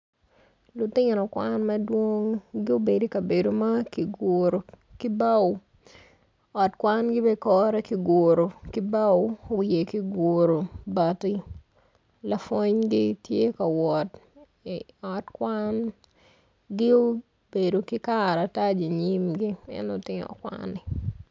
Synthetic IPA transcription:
lʊ˨tɪ˦ŋɾɔ˨kwa˦nmɐ˦dwo˦ŋɡɪ˦o˦be˨di˦ka˨be˨do˨ma˦kɪ˨ɡoɾo˨ | kɪ˦ba˦w | ɔ˨tkwa˦nɡɪ˦bɛ˦kɔ˦ɾɛ˦kɪ˨ɡo˨ɾo˨kɪ˦ba˦wo˨wje˨kɪ˦ɡo˨ɾo˨ba˨tɪ˦ | la˨fwo˦ɲɡɪ˦tje˦ka˨wɔ˨t | ɔ˨tkwa˦n | ɡɪ˦o˦ | be˨do˨kɪ˦ka˦ɾa˨ta˦d͡ʒi˨ɲi˦mɡɪ˦ɛ̰˦no˨tɪ˦ŋɔ̰˨kwa̰nɪ˨

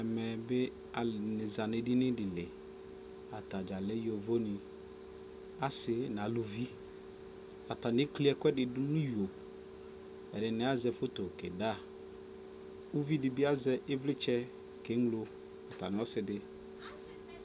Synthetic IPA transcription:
ɛ˨mɛ˨bɪ˦ | a˨lnɪ˨za˨nɪ˨dɪ˦nɪ˦dɪ˨lɪ˨ | a˨ta˨d͡ʒa˨lɛ˦jo˨vo˦nɪ˨ | a˦sɪ˨n˨a˨lu˨vi˦ | a˨ta˨nɪ˦kli˦ɛ˦kwɛ˦dɪ˨dʊ˦nʊ̃˦jo˨ | ɛ˨dɪ˨nɪ˨˦a˦zɛ˨fo˦to˨kɛ˨da˦˨ | u˦vi˦dɪ˨bɪ˦a˦zɛ˦ʔɪ˦vlɪ˦t͡ʃɛ˦ | ke˨˦ŋlo˦ | a˨ta˨nɪ˨˦ɔ˦sɪ˨dɪ˦

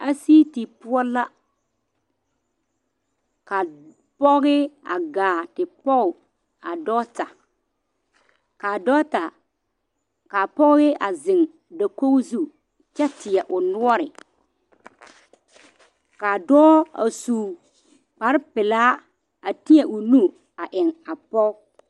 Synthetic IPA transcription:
a˦siː˦ti˨pʊ˦ɔ˦la˦ | ka˨ | pɔ˦ɣɪ˦a̰˨ɡaː˨tɪ˨pɔ˦ɣʊ˨ | a˨dɔː˦ta˨ | ka˨dɔː˦ta˨ | ka˨pɔ˦ɣɪ˦a˨zɪ˨ŋ˨ | da˨ko˦ɣzu˦˨ | t͡ʃɛ˦tɪ˨ɛ˨ʔʊ˨nʊ˦ɔ˦ɾɪ˨ | ka˨dɔː˦a̰˨suː˨ | k͡pa˨ɾɪ˦pɪ˨laː˦ | a˨ti˦ɛ˨ʔʊ˨nu˦ | a˨ʔɪ˨ŋa˨pɔ˦

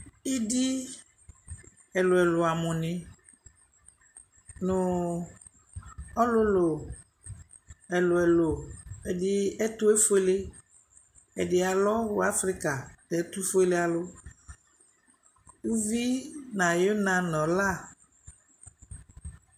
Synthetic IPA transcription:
i˦di˦ | ɛ˨lʊ˨ɛ˨lʊ˨a˨mʊ̃˨nɪ̃˨ | nʊ̃˨ | ɔ˦lʊ˦lo˨ | ɛ˨lʊ˨ɛ˨lo˨ɛ˨dɪ˦ɛ˦t̪ʊ˦e˦fʊ˦e˦le˦ | ɛ˨dɪ˨a˨lɔ˦wʊ˦a˦fɾi˦ka˨tɛ˨˦t̪u˦fo˦e˦le˦a˨lʊ˦ | wu˦vi˦nã˨jo˦nã˨nɔ̃˨la˦˨

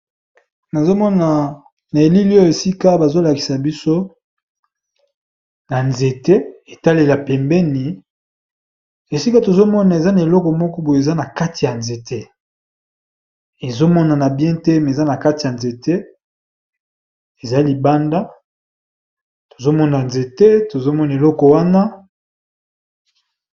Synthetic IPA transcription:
na˨zo˦mɔ˦na˨ | na˨e˨li˦li˦ɔ˦e˨si˦ka˦ba˨zo˦la˨ki˨sa˨bi˦so˦ | na˨nze˨te˦e˨ta˦le˨la˨pɛ˨mbɛ˦ni˨ | e˨si˦ka˦to˨zo˦mɔ˦na˨e˨za˦na˨e˨lɔ˦kɔ˨mɔ˦kɔ˦bu˨je˨za˦na˨ka˦ti˨ja˨nze˨te˦ | e˨zo˦mɔ˦na˨na˨bjɛ̃˦tɛ˦m˨za˦na˨ka˦ti˨ja˨nze˨te˦ | e˨za˦li˨ba˦nda˦ | to˨zo˦mɔ˦na˨nze˨te˦to˨zo˦mɔ˦na˨e˨lɔ˦kɔ˨wa˦na˦

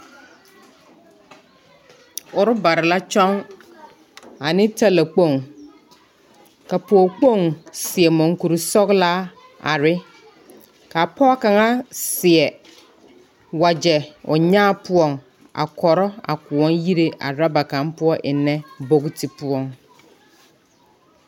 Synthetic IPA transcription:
ʊ˨ɾʊ˦ba˨ɾa˨la˦t͡ʃʰɔ̃˦ŋ | a˨nɪ̃˦tʰa˦la˨k͡põ˦˨ŋ | ka˨pʰɔ˨ɔ˨k͡po˦˨ŋsɪ˨ɛ˨mɔ̃˨ŋ˦ku˨ɾʊ˨sɔ˦kla˦ | a̰˨ɾɪ˦ | kʰa˨pʰɔ˦kã˨ŋa˦sɪ˨ɛ˨ | wa˨d͡ʑɛ˨ɔ˨ɲãː˦pʰʊ˦ɔ˦˨ŋ | a̰˨kʰɔ˨ɾɔ˦a̰˨kʊ˨ɔ̃˦nji˦ɾe˦ʔa̰˨ɾa˦ba˨kã˨mpʊ˦ɔ˦ʔɪ˨nːɛ̃˦bo˦ktʰi˨pʰʊ˦ɔ˨ŋ

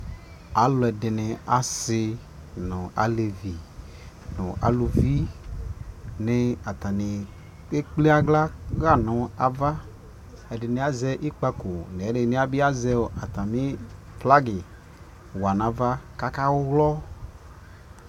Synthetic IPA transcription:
a˨˦lɔ˨ɛ˨dɪ˨nɪ˨a˨sɪ˧ | nʊ˨a˨˦le˨vi˨ | nʊ̰˨ʔa̰˨˦lu˨vi˦ | ne˨a˨t̪a˨nɪ˨ | e˦k͡pli˦a˦ɡla˦ɣa˦˨nʊ̃˨a˨va˦ | ɛ˨dɪ˨ne˨a˨zɛ˦ʔi˦k͡pa˧ko˨ne˨˦de˨˦ne˦a˨bi˦a˦zɛ˦˨˦a˨t̪a˨mĩ˦ | fla˦ɡɪ˨ | wa˨na˨va˦ka˦ka˦wʊ˦ɣlɔ˦

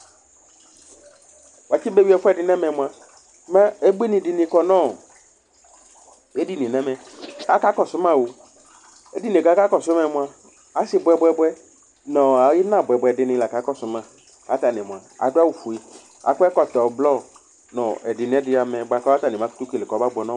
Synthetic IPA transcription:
wa˨t͡ʃi˦be˦bi˦ɛ˨fɔ˦ɛ˨dɪ˨nɛ̃˦mɛ˨mʊ̃˨a˨˦ | ma˦e˦be˦nɪ̃˨dɪ˨nɪ̃˨kɔ˨nɔ̃˦˨ | e˦di˦˨nĩ˨nɛ̃˦mɛ̃˨a˨˦ka˦kɔ˨sʊ˨˦mã˦˨wo˨ | e˦di˦nĩ˨ka˨˦ka˦kɔ˨sʊ˦mɛ̃˨mʊ̃˨a˨ | a˦sɪ˨bʊ˨ɛ˨bʊ˦ɛ˨bʊ˦ɛ˦ | nɔ̃˨a˨˦jɪ˦nã˦˨bɛ˨bʷʊ˨ɛ˨dɪ˦nɪ̃˨la˨ka˨˦kɔ˦sʊ˨˦mã˨ | ka˨˦t̪a˨nɪ̃˨m˨a˨a̰˨dʊ˦a˦wu˨fu˨e˨ | a̰˨˦kɛ˦kɔ˨t̪ɔ˨blɔ˦˨ | nɔ̃˨ɛ˨dɪ˨nɪ̃˨ɛ˦dɪ˦a˨mɛ̃˨bʷa˨kɔ˦a˦t̪a˨nɪ˨mã˦ku̥˦tu˦ke˨lɪ˨kɔ˨˦ba˦bʊ˨ɛ˨nɔ̃˦

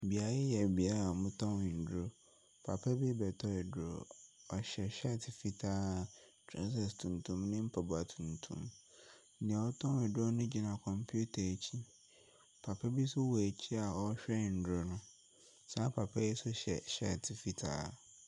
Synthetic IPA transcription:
bi˨a˦ɪ˦jɛ˨bi˨a˦a˨mʊ̃˦tʰɔ̃˦wɪ˨n̩˨dɾo˦ | pʰa̰˨pʰɛ˦bi˦bɛ˨tʰɔ˦ɛ˨dʊ˦ɾo̰˨ɔ˨ɕɛ˨ɕɛ˦˨tʰɪ˨fi˦tʰaː˦tʰɾa˦s̬ɛ˨stʰũ˨ntʰũ˦mnɪ̃˦m̩˦pʰa˨bʊ˨a˨tʰũ˨ntʰṵ̃˦m̩˦ | nɪ̃˨a˨ɔ˦tʰɔ̃˦ɪ˨do˦nʊ̃˦d͡ʑi˦nã˨kʰɔ̃˨mpʰu˦tʰa˨t͡ɕʰi˦ | pʰa˨pʰɛ˦bi˦sʊ˦wɔ˨æ˨t͡ɕʰi˦a˨ɔ˦ɕᶣɛ˦˨n̩˨dɾʊ˦nʊ̃˦ | sa˦pʰa˨pʰɛ˦jɛ˦sʊ˦ɕɛ̰˨ɕɛ˦˨tʰɪ˨fi˦tʰa̰ː˦˨

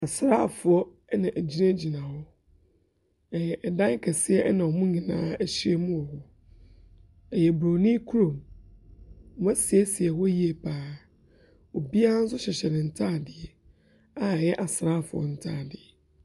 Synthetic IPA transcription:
a˨sɾa˦˨fʊ˨ɔ˦ | nã˨ʔæ˨d͡ʑi˦nã˦d͡ʑi˨nã˨hɔ˦ | ɛ˨jɛ˨ʔɛ˨dã˦ŋ˦kʰɛ˨sɪ˦ɛ˦nã˨ɔ˨mʊ̃˦ɲĩ˨nãː˦æ˨ɕi˦ɛ˦mũ˦ɔ˨hɔ˦ | ɛ˨jɛ˨bɾo˨nĩ˦kʰu˦ɾõ˨m˨˦ | m˦a˦sɪ˨ɛ˦sɪ˨ɛ˨hɔ˦ji˦ɛ˨pʰaː˨˦ | o˨bi˦a˦a˦n̩˦s̬ʊ˦ɕɛ˨ɕɛ˨nɪ̃˨n̩˨tʰaː˦˨dɪ˨ɛ˦ | a˨ɛ˨jɛ˦ʔa˨sɾaː˦˨fʊ˨ɔ̰˨n̩˦tʰaː˦˨dɪ˨ɛ˨

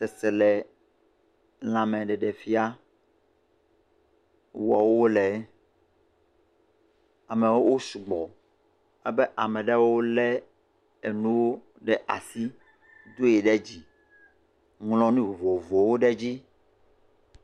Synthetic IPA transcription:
sɛ˨sɛ˨lɛ˨ | l̃ã˨mɛ̃˨ɖɛ˨ɖɛ˨fi˦a˦ | wɔ˨wo˦wo˦lɛ˨˦ | a˨mɛ˨wo˦wo˦su˨ɡ͡bɔ˨ | ɛ˦bɛ˦ʔa˨mɛ̃˨ɖɛ˦wo˦wo˦lɛ˦ | e˨nũ˦wo˦ | ɖɛ˦˨ʔa̰˨si˦ | d̪o˦e˨ɖɛ˦d͡ʑi˨ | ŋlɔ̃˦nũ˦˨vo˨vo˨wo˦ɖɛ˦d͡ʑi˦

